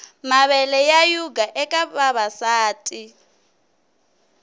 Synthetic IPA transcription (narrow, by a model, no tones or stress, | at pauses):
maβɛlɛjajuɡaʔɛkʼaɓaβasaːtʼi